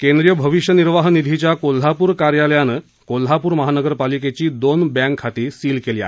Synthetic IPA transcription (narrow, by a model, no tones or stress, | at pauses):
kend̪ɾijəbʱəʋiʂjəniɾʋaɦnid̪ʱit͡ɕjakol̤ːapuːɾkaɾjaljanə | kol̤apuːɾməɦanəɡəɾpaliket͡ɕiːd̪onbæ̃ŋkʰːat̪iːɾsiːlkeliːa̰